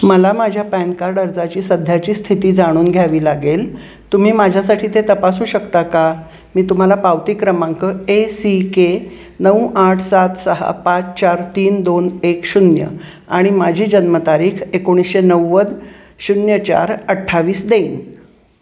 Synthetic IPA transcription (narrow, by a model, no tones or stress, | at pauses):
məlamad͡ʑʱjapænkaɾɖəɾd͡zat͡ɕiːsəd̪ʱjat͡ɕiːst̪ʰit̪iːd͡zaɽ̃uːnɡʱjaʋiːlaɡel | t̪um̤iːmad͡ʑʱjasaʈʰiːt̪et̪əpasuːɕəkt̪aka | miːt̪um̤alapawt̪iːkɾəmaŋkəesike | nəwʔaʈʰsat̪səɦa̰pat͡st͡ɕaɾt̪iːnd̪onekɕunjə̰ | aɽ̃imad͡ʑʱiːd͡ʑənmət̪aɾiːkʰekoɽ̃isɕenəwːəd̪ | ɕunjət͡ɕa̰ɾəʈʰːaʋiːsd̪eiːn